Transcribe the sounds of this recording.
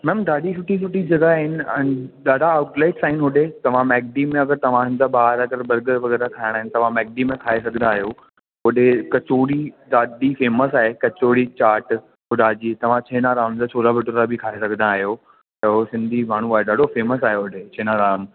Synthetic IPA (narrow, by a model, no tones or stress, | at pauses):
mɛ̃ːmd̪aːɗisʰʊʈisʊʈid͡ʑɐɡaɦɪnɪ̆ɛ̃nɗaːɖaːʊʈlaːɪʈsaːɪnɦʊɗet̪ɐʋ̤ãmɛːk̚ɖimẽɐɡəɾt̪ɐʋ̤ãsɪ̃nd̪abaːɦəɾɐɡəɾbɐɾɡəʋɐɣɛːɾakʰaːɪɽ̃aːɦɪnɪ̆t̪ɐʋ̤ãmɛːk̚ɖimẽkʰaːesɐɡʱə̃nd̪aːɦijo | ɦoɗekɐt͡ɕoːɽiɗ̪aːɗifeːməsaːɦekɐt͡ɕoːɽit͡ɕaːɾʈ | ɦʊɖaːd͡ʑit̪ɐʋ̤ãt͡ɕʰeːnaɾaːmd͡ʑat͡ɕʰoːlabʱɪʈoɾabʱɪkʰaːesɐɡʱə̃naːɦijo | ɐɦosɪ̃nd̪ʱimaːɳ̤̃ũaːɦeɗaːɖʱofeːməs̬aːɦeɦʊɖet͡ɕʰeːnaɾaːm